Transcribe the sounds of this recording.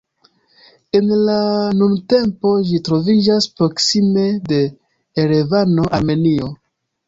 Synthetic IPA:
e̞nlanumte̞mpo̞ʒitɾo̞vid͡ʒaspɾo̞ksime̞de̞ː | ɾevano̞ʔame̞nio̞

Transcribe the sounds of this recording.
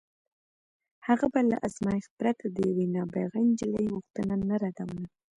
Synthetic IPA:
haɣabala̰ʔazmɑjɪxpɾat̪ʰad̪əjawinɑbaɣand͡ʒɪlajɣuxt̪ənanaɾad̪awəna

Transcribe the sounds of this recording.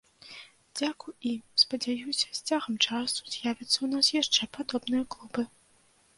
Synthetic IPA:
d͡zʲakujimspɐd͡zʲajusʲɐ̥sʲt͡sʲaɣɐmt͡ʂasu̥z̥ʲjavʲɐt̪sːɐun̪asjaʂt͡ʂɛpad̪ɔbnɨjɐklˠubɨ

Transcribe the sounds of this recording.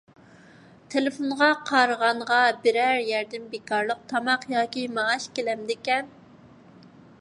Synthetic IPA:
t̪ʰelɪfonʁɑqʰɑɾəʁɑɴʁɑbɪɾæɾjæɾd̪ɪmbekʰɑɾlˠəq̚t̪ʰɑmɑqjɑːkʲimɑːʃkʲelɛmd̪ɪkʲɛn

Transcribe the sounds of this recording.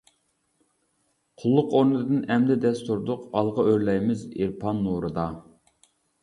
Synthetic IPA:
qʰʊlˠːʊqoɾnɨd̪ɨnɛmd̪ɪd̪ɛst̪uɾd̪ʊqɑlˠʁɑøɾlɛjmɪziɾpʰɑnːuɾɨd̪ɑ

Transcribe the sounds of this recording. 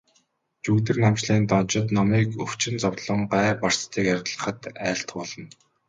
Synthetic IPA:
t͡ɕuːkt̪̬ɘ̆rnamt͡ɕɮiːnt̪ɔnt͡ɕɪ̆t̪nɔmiːkɵw̥t͡ɕɪ̆nt͡sɔwɮɞ̆ɴɢæːpar̥st̪ʰiːkarʁɮə̆χə̆t̪æːɬt̪pɔɮɞ̆n

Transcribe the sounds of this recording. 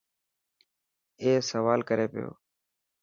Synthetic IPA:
eːsəʋaːlkəɾeːpɪjo̰ː

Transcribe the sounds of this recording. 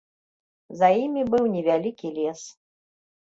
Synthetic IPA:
zɐjimʲibɨwnʲɛvʲalʲikʲilʲɛs

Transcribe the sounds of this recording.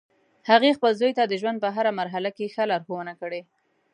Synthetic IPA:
haɣexpəlzojt̪ad̪əʒwand̪̚pəɦaɾamaɾɦalakexalaɾxownakəɽe

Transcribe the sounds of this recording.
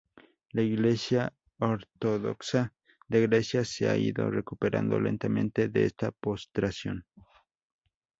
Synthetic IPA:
laiɣle̞sja | oɾt̪oðo̰ksa | d̪eɣɾesjasea̰iðo̞̰rekupeɾa̰nd̪o̞̰lẽ̞nt̪amẽ̞nt̪e̞ðeḛst̪apost̪ɾasjo̰n

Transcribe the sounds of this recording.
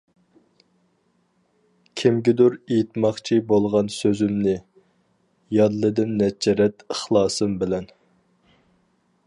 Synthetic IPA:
kʲʰɪmɡʲɪd̪ʊɾejit̪mɑχt͡ʃʰibolˠʁɑnsøzymnɪ | jɑd̪lˠɨd̪ɪnːɛd͡ʒɛɾɛt̪əχlˠɑːsɨmbɪlɛn

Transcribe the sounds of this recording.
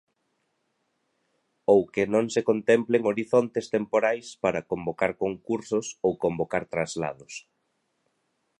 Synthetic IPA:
owkɪnõŋsekont̪ɛmpleŋoɾiθont̪est̪empoɾajspaɾɐkombokaɾkoŋkuɾsʊsowkombokaɾt̪ɾazla̰ðʊs

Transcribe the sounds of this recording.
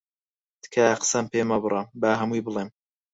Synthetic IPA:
d̪̥kʰajaqsɐmpeːmɐbɨɾˤɑmbaːɦɐmujbɨlˠem

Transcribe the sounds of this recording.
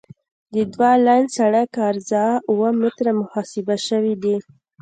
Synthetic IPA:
d̪əd̪wɑlɑjnsaɽakɑɾzɑuwəmɪt̪ɾamʊhɑsɪbaʃəwid̪i

